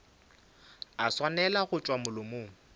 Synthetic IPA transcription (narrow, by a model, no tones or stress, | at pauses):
aswanɛlaɣʊt͡ʃʼwamʊlʊmoː